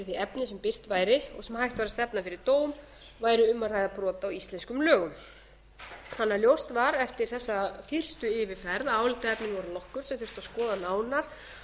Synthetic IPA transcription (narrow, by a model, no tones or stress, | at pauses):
θiɛpnɪsɛmpɪr̥t̪vajɾɪɔ̰ɣsɛmhajht̪vaɾast̪ɛpnafɪɾɪɾ̥t̪oːwm | vaːjɾʏʏmːarajðapɾɔːt̪aːwist̪lɛnskʏmlœːɣʏm | θhanːaljowst̪vaɾɛft̪ɪɾ̥θɛsːafɪr̥st̪ʏɪvɪfɛɾðaaːwlɪt̪aɛpnɪŋvɔɾalɔhkʏɾsɛmθʏr̥st̪aðskɔːðanaːwnaɾ̥